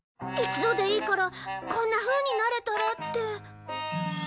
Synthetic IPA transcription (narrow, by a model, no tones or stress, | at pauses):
it͡sɨd̪o̞d̪e̞iːkoɾokõ̞nːaɸɯ̟ːɲ̟inaɾe̞t̪oɾot̪ːe